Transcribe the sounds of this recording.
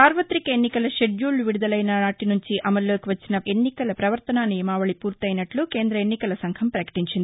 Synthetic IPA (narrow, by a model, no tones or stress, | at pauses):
saːɾʋɐt̪ɾikɐenːikɐlɐʃe̞ɖjuːluʋiɽud̪ɐlɐjnɐnaːʈinuɲt͡ʃiʔɐmɐlːo̞ːkiʋɐt͡ʃːinɐe̞nːikɐlɐpɾɐʋɐɾt̪ɐnaːnːijɐmaːʋɐɭipuːɾt̪ɐjnɐʈluke̞ːnd̪ɾɐenːikɐlɐsɐŋkʰɐmpɾɐkɐ̥ʈiɲt͡ʃind̪i